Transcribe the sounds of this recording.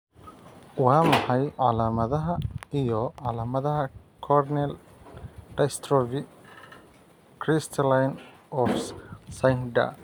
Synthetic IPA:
wɑːmɑħɑjʕɑlaːmɐðɐɦɐijɔʕɑlaːmɐðɐɦɐ | kʰɔrnɛl | ɖ̥ɐjst̪ʰɾɔvi | kʰɾɪst̪ʰɐlajn | ɔfsɐnɖɐ̰

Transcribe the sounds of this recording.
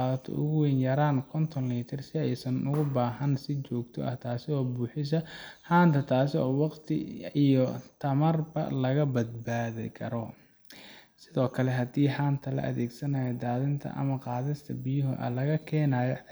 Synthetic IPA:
ðɐt̪ʰɔ̰ʔʊɣʊwɛnjɐɾaːnkʰɔnt̪ʰɔnliːt̪ʰɪrsɪɛjsɐnʔʊɣʊbaːɦɐnsɪt͡ʃɔːɡt̪ʰɔ̰ʔɐht̪ʰaːsɪɔːbuːħɪs̬ɐħaːnt̪ʰɐt̪ʰaːsɪɔːwɑqt̪ʰɪ̰ijɔt̪ʰɐmɐrbɐ̰lɐɣɐbɐd̪̚baːðɪ̰kʰɐɾɔ | sɪðɔːkʰɐlɛɦɐd̪iːħaːnt̪ʰɐlɐ̰ʔɐðɛːɡsɐnɐːjɐd̪aːðɪnt̪ʰɐ̰ʔɐ̰mɐqɑːðɪst̪ʰɐ̰bɪjʊɦʊʔɐ̰lɐɣɐkʰɛːnaːjɔ

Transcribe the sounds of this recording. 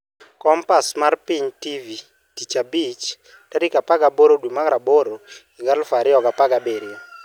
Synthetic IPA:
kɔmpasmarpiɲtivi | tit͡ʃabit͡ʃ | taɾikapaɡaboɾodwumaɡɾaboɾo | iɡalfaɾɪɔɡapaɡabeɾɪɔ

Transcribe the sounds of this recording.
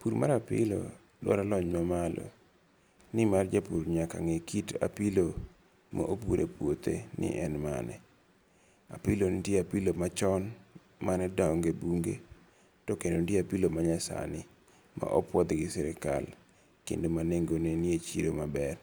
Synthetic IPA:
puɾma̰ɾapɪ̰lo̰ | lwɔ̰ɾalɔɲmamalʔɔ̰ | nɪmard͡ʒapuɾɲaka̰ŋekʰita̰pilo | ma̰ʔopuɾepwot̪ḛnɪ̰ʔɛnma̰nɛ | a̰pilonɪtjeapilomat͡ʃɔn | manɛdaŋɡebuŋɡe | tɔkendondjeapilomaɲasa̰nɪ | ma̰ʔɔpwɔd̪ɡɪsɛɾɪka̰l | kḛndomaneŋɡoneniet͡ʃiɾomabɛr

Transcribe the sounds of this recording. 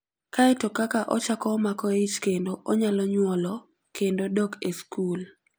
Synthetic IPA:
kaɛtokakaʔɔt͡ʃakɔmakɔit͡ʃkendoʔɔɲalɔɲwɔlɔ | kendodɔkeskul

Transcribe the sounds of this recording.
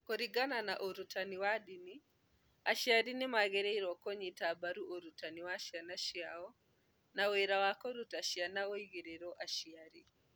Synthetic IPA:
koɾiɡananaʔoɾutaniwaɗini | aʃiaɾinimaɣɛɾɛiɾɔkɔɲitaːbaɾuʔoɾutaniwaʃanaʃiaɔ | naweɾawakɔɾutaʃianaoiɣeɾɛɾɔʔaʃiaɾi

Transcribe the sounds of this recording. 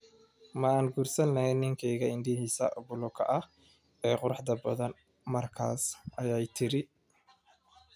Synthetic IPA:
mɐaːnɡuːrsɐnːɐhɛnɪŋkʰɛjɣɐɪnd̪ɪhiːsɐ̰ʔbʊlɔkʰɐ̰ʔɐh | ɛːqʊɾɑħd̪ɐbɐ̰ðɐn | mɐrkʰa̰ːsʔɐjaːjt̪ʰɪɾɪ

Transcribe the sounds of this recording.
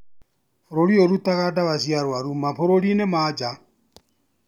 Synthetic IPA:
ɾoɾioɾut̪aɣadaβasiaɾwaɾumaɸoɾolinemad͡ʒa

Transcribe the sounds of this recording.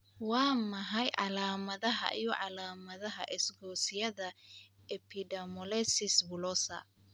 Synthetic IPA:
wɑːmɐɦɐjʕɑlaːmɐðɐɦɐ̰ʔijɔʕɑlaːmɐðɐɦɐ̰ʔɪsɡɔːsɪjɐðɐ | ɛpʰɪdɐmɔlɛsɪsbʊlɔsɐ̰

